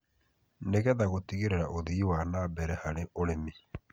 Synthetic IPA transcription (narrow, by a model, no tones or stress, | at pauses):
neɣɛðaɣotiɣeɾeɾaʔoðiːwanabɛɾɛhaɾeʔoɾemi